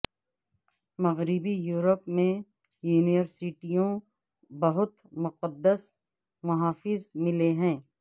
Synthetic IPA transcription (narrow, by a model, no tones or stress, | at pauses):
mɐɣɾɪbijuːɾəpmẽ | juːniʋəɾsɪʈijõ | bɐɦʊt̪mʊqəd̪ːəs | mɐɦaːfɪzmɪleɦɛ̃ː